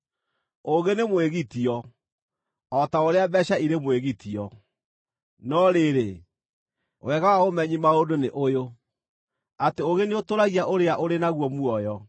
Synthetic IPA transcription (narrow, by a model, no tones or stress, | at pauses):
oɣenemweɣitiɔ | ɔtaoɾeabɛɕaiɾemweɣitiɔ | nɔɾeɾe | wɛɣaaomɛɲimaodoneʔojo | ateoɣeneotoɾaɣiaʔoɾeaʔoɾenaɣwɔmuɔjɔ